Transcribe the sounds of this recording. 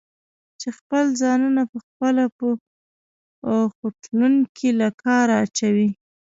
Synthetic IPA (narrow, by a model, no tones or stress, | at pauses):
t͡ʃexpəlzɑnunapəxpəlapə | xoʈluŋkʰilakʰɑɾaːt͡ʃawi